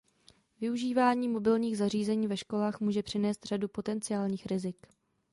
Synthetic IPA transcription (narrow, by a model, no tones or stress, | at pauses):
vɪuʒiːvaːɲiːmo̞bɪlɲiːɣzar̝iːzɛɲiːvɛʃko̞laːxmuːʒɛpr̝̥ɪnɛːst̪r̝̥adupo̞t̪ɛnt͡sɪaːlɲiːxɾɪzɪk